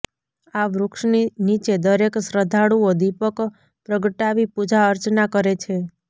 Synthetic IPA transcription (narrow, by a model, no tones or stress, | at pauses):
aʋɾʊkʂninit͡ʃed̪əɾeksɾəd̪ʱaɽuod̪ipək | pɾəɡəʈaʋipud͡ʒaəɾt͡ʃnakəɾet͡ʃʰe